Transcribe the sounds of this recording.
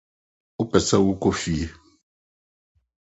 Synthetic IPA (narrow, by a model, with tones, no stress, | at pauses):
u˦pɛ˨sa˦wu˦ko˦fi˨e˦